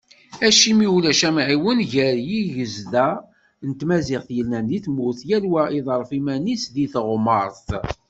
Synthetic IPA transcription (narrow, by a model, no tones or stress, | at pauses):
æʃimiwulæʃæmʕiwənʝəɾjiʝəzðæ | nt̪mæzɪʁθjəlnænðiθmʊθjælwæʔiðˤəɾˤfimænisðiθʁməɾˤθ